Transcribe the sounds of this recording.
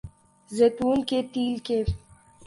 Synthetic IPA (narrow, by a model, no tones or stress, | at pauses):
zet̪uːnket̪iːlke